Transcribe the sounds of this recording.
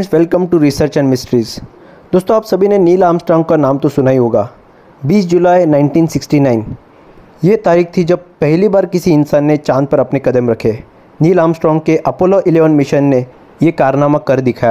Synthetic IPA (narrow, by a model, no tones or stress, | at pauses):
sʋɛlkə̃mʈuɾisəɾt͡ʃɛ̃ɳɖmɪsʈɾiːz | d̪̥oːst̪õaːpsɐbʱineniːlaːmsʈɾɔ̃ːŋɡ̚kanaːmt̪õsʊnaːiɦoːɡaː | biːs̬d͡ʒʊlaːjnãːɪ̃ɳʈiːnsɪksʈinaːɪn | jeːt̪aːɾiːxt̪ʰid͡ʒɐb̚pɛɦlibaːɾkɪsiɪnsaːnːet͡ʃãːnd̪̚pɐɾɐpnekɐd̪əmɾɐkʰeː | niːlaːmsʈɾɔ̃ːŋɡkeʔɐpoːloʔɪleːʋənmɪʃənːe | jekaːɾnaːmakɐɾd̪ɪkʰaːja